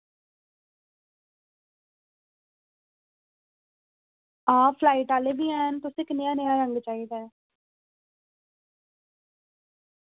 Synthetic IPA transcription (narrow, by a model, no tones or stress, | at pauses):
aːfʰlaːiʈaːlebiːɛːnt̪ʊsɪknɪjãːnejãːɾəŋɡt͡ʃaːiːd̪ɛː